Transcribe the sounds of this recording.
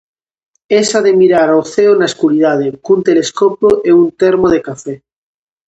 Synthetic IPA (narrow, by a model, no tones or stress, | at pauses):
esaðemiɾaɾawθeonaeskuɾiðað̞eŋkunt̪eleskopoʔeunt̪eɾmoð̞ekafe